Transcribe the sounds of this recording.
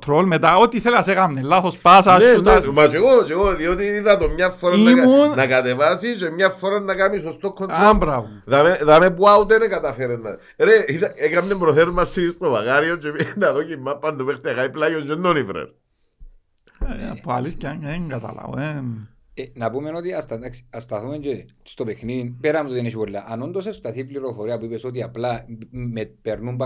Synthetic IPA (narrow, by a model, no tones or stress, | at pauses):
t̪ɾolmet̪aot̪iθelɐsekamnelːaθospasanut̪asmat͡ʃeɣot͡ʃeɣoðiot̪iːðɐt̪omɲafːoɾanːaunnakat̪evasit͡ʃemɲafːoɾanːakamisost̪okʰːont̪ɾombɾavuðameðamepuaut̪enekat̪afeɾenːa̰ | ɾeiðaekamnembɾoθeɾmasistova̰ɣaɾiot͡ʃenaðocimːapːand̪upeχt̪iakaiplajond͡ʒenːonivɾḛɾ | pa̰liscaŋaŋɡat̪a̰la̰wen | enapumenot̪iast̪aksast̪aθumend͡ʒe̥st̪opexnipeɾamut̪ot̪ineʃibolːaʔanond̪os̬est̪aθipliɾofoɾiapuipesot̪̬iaplamepeɾnumb